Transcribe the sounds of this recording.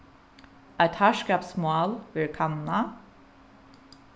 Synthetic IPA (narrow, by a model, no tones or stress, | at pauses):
æt̪hæʃkɑːpsmɑːlʋɪɹkʰɑnnɑ